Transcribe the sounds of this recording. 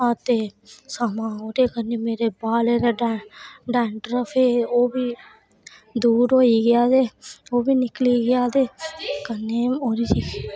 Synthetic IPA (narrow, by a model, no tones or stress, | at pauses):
at̪eːsamãːoːɾeːkəneːmeːɾeːbaːleːɾaːɖɖɛːɳʈɾəpʰeːoːbiː | d̪uːɾɦoːiːɡɪjaːd̪eːoːbiːnɪkliːɡɪjaːd̪eːkənːeːoːɾiːsiː